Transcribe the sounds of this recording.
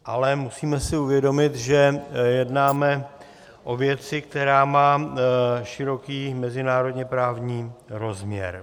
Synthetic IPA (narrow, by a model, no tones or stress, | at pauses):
ʔalɛmusiːmɛsɪuvjɛdo̞mɪt̪ʒɛjɛdnaːmɛ | ʔo̞vjɛt͡sɪk̚t̪ɛɾaːmaː | ʃɪɾo̞kiːmɛzɪnaːɾo̞dɲɛpɾaːvɲiːɾo̞zmɲɛ̰ɾ